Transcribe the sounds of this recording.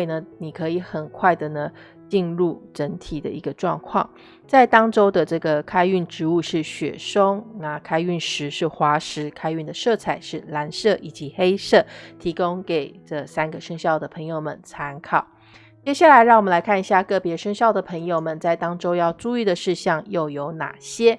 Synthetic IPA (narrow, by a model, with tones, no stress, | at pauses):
nə˩ni˨˩kʰɤ˧˥i˧˩xə˨˩nkʰwa˥˩ɪd̪ə˩nə˦ | t͡ɕi˥˧nɻu˥˩ʈ͡ʂə˧˥nt̪ʰi˨˩d̪ə̰˦i˧˥ɡə˧ʈ͡ʂwɑ̰˥˧ŋkʰwɑ̰˥˩ŋ | t͡sa˥˩ɪt̪ɑ˥ŋʈ͡ʂo˥ʊd̪ə˨ʈ͡ʂɤ˥˩ɡə˩kʰa˥ɪy˥˩nʈ͡ʂɻ̩˧˥u˥˧ʂɻ̩˥˩ɕɥɛ̰˨˩ʂo˥ŋna˨˩kʰa˥ɪy˥˩nʂɻ̩˧˥ʂɻ̩˥˩xwa˧˥ʂɻ̩˧˥kʰa˥ɪy˥˩nd̪ə˩ʂɤ˥˩t͡sʰa˨˩˦ɪʂɻ̩˥˩la˧˥nʂɤ˥˩ʔi˨˩t͡ɕi˧˥xe˥ɪʂɤ˥˩t̪ʰi˧˥kʊ˥ŋke˨˩ɪʈ͡ʂɤ˥˩sa˥nɡə˨ʂə˥ŋɕjɑ˥˩ʊd̪ə˩pʰɤ˧˥ŋjo˧ʊmə̰˨˩nʈ͡ʂʰa˧˥nkʰɑ˨˩ʊ | t͡ɕjɛ˥ɕja˥˩la˧˥ɪɻɑ˥˩wmə˦la˧˥ɪkʰa˥˩ni˧˥ɕja˥˧kɤ˥˩pjɛ˧˥ʂə˥ŋɕjɑ˥˩ʊd̪ə˩pʰɤə˧˥ŋjo˨˧ʊmə˨˩nt͡sa˥˩ɪt̪ɑ˥ŋʈ͡ʂo˥ʊjɑ˥˧ʊʈ͡ʂu˥˧y˥˩d̪ə˩ʂɻ̩˥˧ɕɑ˥˧ŋjo˥˩ʊjo˧˥ʊna̰˨˩ɕjɛ˥